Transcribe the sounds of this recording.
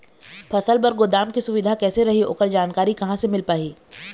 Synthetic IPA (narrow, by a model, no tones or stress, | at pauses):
pʰɐsəlbɐɾɡʊd̪aːmkisʊʋɪd̪ʱakɛːseɾɐɦio̰ːkəɾd͡ʒaːnkaːɾikɐɦãsemɪlpaːɦiː